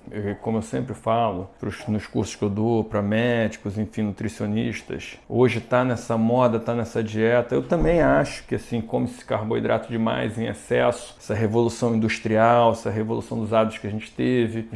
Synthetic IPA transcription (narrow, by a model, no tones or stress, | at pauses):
ɛkõmʊewsẽmpɾɪfalʊpɾʊʃnʊskuɾsʊ̥ʃkɪewd̪opɾɐmɛd͡ʒikʊzẽfĩnut̪ɾisioniʃt̪ɐ̰soʒɪt̪anɛsɐmɔd̪ɐt̪anɛsɐd͡ʒiɛt̪ɐewt̪ɐ̃mbẽj̃aʃʊ̥kɪasĩkõmʊesɪ̥kaɾboḭd̪ɾa̰t̪ʊd͡ʒɪma̰jzẽa̰sɛsʊ̥ɛsɐɦevolusɐ̃w̃ĩnd̪uʃt̪ɾiawɛsɐɦevolusɐ̃w̃d̪ʊzad̪ʊ̥sʃkɪɐʒẽnt͡ʃɪ̥t̪evɪ